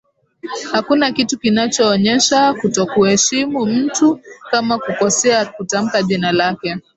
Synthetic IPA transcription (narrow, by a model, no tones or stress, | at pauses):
hakunakitukinat͡ʃɔːɲɛʃakutɔkuhɛʃimum̩tukamakukɔsɛakutam̩kaʄinalakɛ